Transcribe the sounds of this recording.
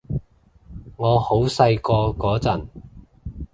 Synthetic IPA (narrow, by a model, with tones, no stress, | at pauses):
ŋɔː˨˧ho˨˥wsɐ˧jkɔː˧kɔː˨˥t͡sɐ˨˩n